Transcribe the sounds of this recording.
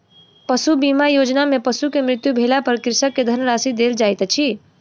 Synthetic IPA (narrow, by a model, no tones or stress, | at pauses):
pəsubimajod͡ʒnamepəsukemɾɪt̪jubʱelapəɾkɾɪsəkːed̪ʱəɾmɾasid̪eld͡ʒajt̪t͡ʃʰi